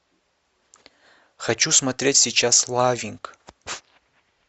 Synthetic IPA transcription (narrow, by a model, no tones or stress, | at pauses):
χat͡ʃʰusmatʰrʲe̞tʲsiːt͡ʃʰaslavʲiŋkʼ